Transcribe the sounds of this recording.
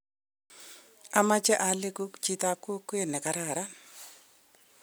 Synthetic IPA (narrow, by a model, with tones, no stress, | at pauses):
a˨ma˦t͡ʃɛ˦ʔa˨le˦ku˦kt͡ʃi˦t̪a˦ko˦kːwe˦nɛ˨ka˨ɾa˨ɾa˦n